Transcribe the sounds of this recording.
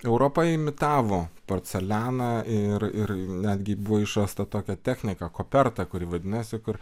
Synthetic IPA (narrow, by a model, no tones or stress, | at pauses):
ɛʊɾoːpɐɪmʲɪt̪ɑːʋoːpoːrʲt̪sʲɛlʲæːnɐɪrɪrnʲæːd̪ʲɡʲɪbʊʋoːɪʃɾɐːst̪ɐt̪oːkʲɛt̪ʲæːxʲnʲɪkɐkoːpʲɛrt̪ɐkʊɾʲiʋɐd̪ʲɪnɐsʲɪkʊr